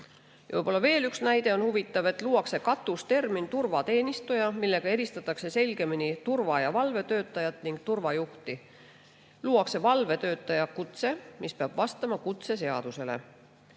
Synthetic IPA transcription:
jɯ̰jpo̞lːɑve̞ːlyksnæjd̪̥e̞o̞nhuvit̪ːˑɑve̞t̪ːˑluːɑkse̞kɑt̪ːˑust̪e̞rmint̪urvɑt̪e̞ːnist̪ujɑmilːe̞ɡ̥ɑe̞ɾist̪ɑt̪ːˑɑkse̞se̞lʲɡ̥e̞minit̪urvɑjɑvɑlve̞t̪ø̞ːt̪ˑːɑjɑt̪ˑniŋɡkt̪urvɑjuht̪i | luːɑkse̞vɑlve̞t̪ø̞ːt̪ːˑɑjɑkut̪se̞mispeɑb̥vɑst̪ɑmɑkut̪se̞se̞ɑ̰d̪use̞lḛ

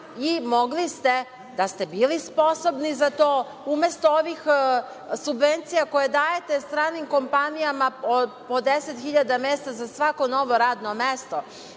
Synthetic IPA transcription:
imo̞ɡlist̪e | d̪ast̪ebiːlispo̞so̞bnizat̪oː | umest̪ooʋix | subʋent̪sijako̞jed̪aːjet̪est̪ɾaːnimko̞mpanijamaopod̪eset̪xiʎad̪ameːst̪azasʋako̞no̞ʋo̞ɾaːd̪nomest̪o

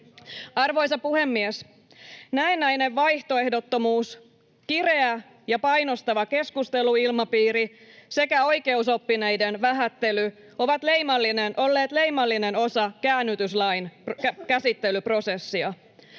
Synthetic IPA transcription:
ɑrʋo̞jsɑpuhe̞mːies | næenːæjne̞ʋʋɑjht̪o̞e̞hdo̞t̪ːo̞muːs | kire̞æ | jɑpɑjno̞st̪ɑʋɑke̞skust̪e̞luilmɑpiːɾise̞kæo̞jke̞uso̞pːinejde̞nʋæɦæt̪ːe̞ly | o̞ʋɑt̪le̞jmɑlːinenʔo̞lːe̞ːt̪le̞jmɑlːine̞no̞sɑkæːnːyt̪yslɑjnkæsit̪ːe̞lypro̞se̞sːiɑ

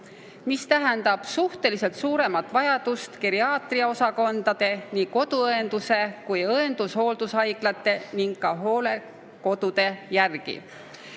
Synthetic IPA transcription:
mist̪æɦɛnd̪ɑb̥suht̪e̞lise̞lt̪suːɾe̞mɑt̪ːˑvɑjɑd̪̥ust̪keɾiɑːt̪riɑo̞sɑko̞nd̪ɑd̪̥e̞niːko̞d̪̥uɤend̪̥use̞kujɤend̪̥usho̞ːld̪̥usɑjɡlɑt̪ːˑe̞niŋɡkɑɦo̞ːle̞ | ko̞d̪̥ud̪̥e̞jærɡ̥ḭ

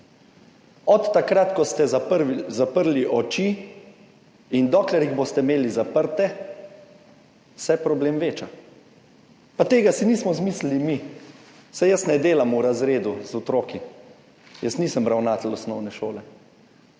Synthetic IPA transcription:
ɔt̪ːakɾat̪kɔst̪ɛzapəɾliʔɔt͡ʃi | ind̪ɔːklɛɾjiɣbost̪ɛmeːlizapəɾt̪ɛ | sɛpɾɔbleːmʋeːt͡ʃa | pat̪eːɡasiniːsmɔzmislilimi | sajəsnɛd̪eːlamuɾazɾeːd̪uzɔt̪ɾoːki | jəsniːsəmbɾawnat̪lɔsnɔwnɛʃoːlɛ

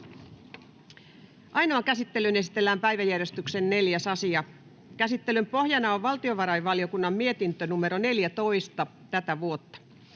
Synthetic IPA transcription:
ʔɑjnoɑkæsit̪ːe̞lyne̞si̥t̪elːæːmpæjʋæjærjest̪yksenne̞ljæsɑsiɑ | kæsit̪ːelympo̞hjɑnɑoʋʋɑlt̪ioʋɑɾɑjʋʋɑliokunːɑmmie̞t̪int̪ønumeɾone̞ljæt̪o̞ist̪ɑ | t̪æt̪æʋuot̪ːɑ̥

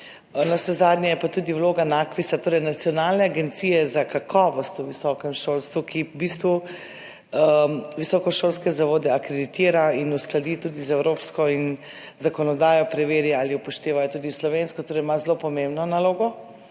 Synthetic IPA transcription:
nɔwsɛzad̪nʲjɛjɛpat̪uːd̪iwloːɡanakʋisat̪oːɾɛjnat̪siɔnalnɛaɡent̪siːjɛzakakʰɔːʋɔst̪uʋisɔkɛmʃolst̪ʋukibist̪ʋu | ʋisɔːkɔʃolskɛzaʋoːd̪ɛakɾed̪it̪iːɾainusklad̪it̪uːd̪izɛwɾopskɔin | zakɔnɔd̪aːjɔpɾɛʋeːɾjaaliɔpɔʃt̪eːʋajɔt̪uːd̪islɔʋenskɔt̪oːɾɛjmazlopɔmẽmbnɔnaloːɡɔ

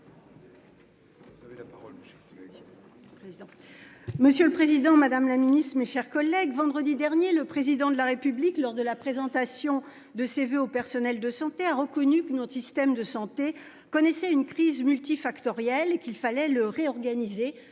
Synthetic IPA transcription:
veapaʁɔ | ẽ | məsjøləpχezid̪ɑ̃mad̪amlaminist̪χmeʃɛʁkɔlːɛɡvɑ̃d̪ʁəd̪id̪ɛʁnjeləpχezid̪ɑ̃d̪əlaʁepybliklɔʁd̪əlapχezɑ̃t̪asjɔ̃ | d̪əseveopɛʁsɔnɛld̪əsɑ̃t̪eaʁəkɔnykənɔsist̪ɛmd̪əsɑ̃t̪e | kɔnɛsɛynkχizmylt̪ifakt̪ɔʁjɛlekilfalɛləʁeɔʁɡanize

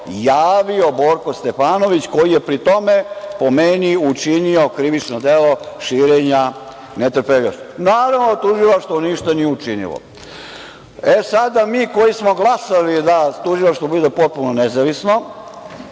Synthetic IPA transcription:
jaːʋio̞bo̞ɾkost̪epaːno̞ʋit͡ɕko̞jijepɾit̪o̞mepomeniut͡ʃinio̞kɾiʋit͡ʃnod̪elo̞ʃiːɾeɲa | net̪r̩peʎaʃonaːɾaʋnot̪uʒilˠaʃt̪vʋoniʃt̪anijeut͡ʃinḭlo̰ | esad̪amiːko̞jismo̞ɡlˠasalid̪at̪uʒilˠaʃt̪ʋobud̪epot̪̚punonezaʋisno̞

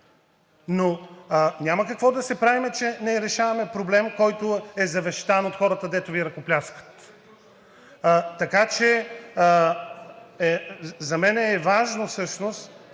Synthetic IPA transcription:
nonʲaməkɐkvɔd̪ɐsɛpɾavimɛt͡ʃɛnɛɾɛʃavɐmɛpɾoblɛmkɔjt̪ʊɛzɐvɛʃt̪anot̪xɔɾət̪əd̪ɛt̪oviɾɐkoplʲaskə̥t̪ | t̪ɐkat͡ʃɛ | ɛzɐmɛnɛːvaʒnofsɤʃnost̪

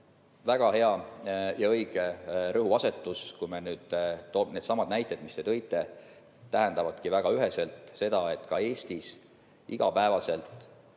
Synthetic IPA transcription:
væɡ̥ɑhe̞ɑjɑɤjɡ̥erɤɦuɑse̞t̪ˑːuskujmenyːd̪̥t̪one̞ːd̪sɑmɑd̪næjt̪ːˑe̞d̪̥mist̪e̞t̪ɤ̞jt̪ːˑe̞ | t̪æɦend̪ɑvɑd̪̥kivæɡ̥ɑyɦe̞se̞lt̪se̞d̪̥ɑe̞t̪ːkɑe̞ːsʲt̪is | iɡ̥ɑ̰pæevɑse̞lt̪ˑ

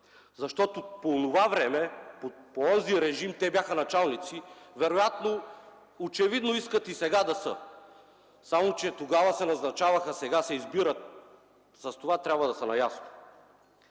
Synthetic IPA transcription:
zɐʃt̪ɔt̪oponovavɾɛmɛpopoɔziɾɛʒimt̪ɛbʲjaxənɐt͡ʃalˠnit̪sivɛɾojat̪no | ot͡ʃɛvid̪noiskət̪isɛɡad̪ɐsə | samot͡ʃɛt̪oɡavɐsɛnɐznɐt͡ʃavɐxəsɛɡasɛizbiɾət̪̚ | sɐst̪ovat̪ɾʲabvɐd̪ɐsənɐjasno̥

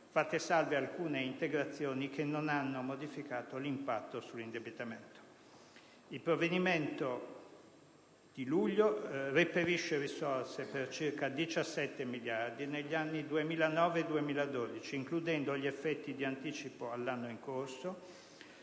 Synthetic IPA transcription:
fat̪ːesalvealkuːneint̪eɡɾat̪sːjoːnikenːonanːomod̪ifikaːt̪olimpat̪ːosulːind̪ebit̪ament̪o̥ | ilpɾovːed̪iment̪o | d̪̥iluʎːoripeɾiʃːeɾisorsepert͡ʃirkad̪it͡ʃasːɛt̪ːemiljard̪ineʎːianːid̪uemiːlanɔːveːd̪uemiːlad̪oːd̪it͡ʃiːŋklud̪ɛnd̪oʎiefːɛt̪ːid̪iant̪iːt͡ʃipoalːanːoiŋkorso

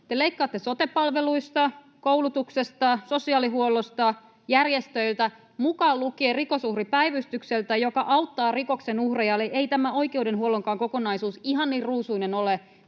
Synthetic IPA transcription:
t̪eleikːɑːt̪ːesot̪epːɑlʋeluist̪ɑ | koulut̪uksest̪ɑso̞siɑːliɦuolːost̪ɑ | jærjest̪øilt̪æ | mukɑːllukeeːriko̞suhripæijʋyst̪ykselt̪æjokɑʔɑwt̪ːɑːrikoksenuhrejɑlːeʔeit̪æmæo̞ikeudenhuoloŋkɑːŋko̞konɑisuːsiɦɑnniːrruːsuinenole

